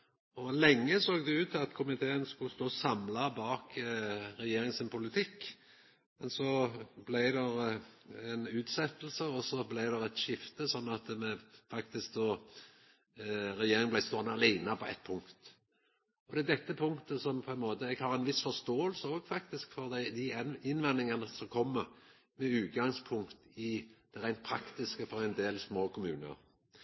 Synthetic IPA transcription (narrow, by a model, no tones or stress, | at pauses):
ɔlɛŋːəsoːɡd̪ɛʉːt̪ʰːɑt̪kʰʊmɪt̪ʰeːənskʉlst̪oːsɑmlɑbɑːkɾɛjeːɾɪŋsɪnpʰʊlɪt̪ʰɪkː | mɛnsɔblæɪd̪ɛɾɛnʉːt̪sɛt̪ːl̩səɔsɔblæɪd̪ɛɾɛt̪ʃɪft̪əsɔnːɑt̪mɛfɑkt̪ɪsk̚d̪oː | ɾɛjeːɾɪŋblæɪst̪oːnɑɑlæɪnəpʰɔɛ̰t̪ːpʰʊŋkt̪ | ɔd̪ɛd̪ɛt̪ːəpʰʊŋkt̪əsɔmpʰɔɛnmoːt̪əɛɡhɑʁɛnʋɪsfɔst̪oːəlsəoːɡfɑkt̪ɪskfɔʁd̪æɪd̪ɪɪnːʋɛnːɪŋɑnəsɔmkʰɔmːəʁ | mɛʉːt̪̚ɡɑŋspʰʊŋkt̪ɪd̪̥ɛɾæɪnt̪̚pʰɾɑkt̪ɪskəfɔɾɛɪnd̪eːlsmoːkʰʊmʉ̰ːnə̰ɾ